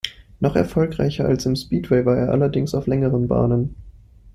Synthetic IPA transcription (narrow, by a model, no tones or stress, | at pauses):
nɔχɛ̰ɐfɔlkʁ̥a̰ɪçɐalsɪmspiːtʰwɛɪvaːeːɐʔa̰lɐdɪŋsaʊflɛŋəʁənba̰ːnən